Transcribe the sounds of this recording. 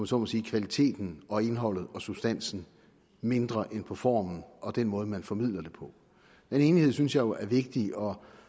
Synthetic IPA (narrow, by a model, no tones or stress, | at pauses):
mnsɔmɒsiːkʰʋælit͡sʰe̝̰ːd̥n̩ɒ̽e̝nɦɒ̽l̰ð̞̩ˠɒ̽sub̥sd̥æn̰sn̩ | me̝nd̥ʁɐʔenpʰɒ̽fɒ̰ːmn̩ɒ̽d̥enmɔ̽ːð̞̩ˠmænfɒ̽mið̰ˠlɐd̥e̝pʰɒ̽ | d̥ene̝ːniheð̰ˠsynsjɑ̈ɪjo̝ʔæɐʋe̝ɡ̥̚d̥iɒ̽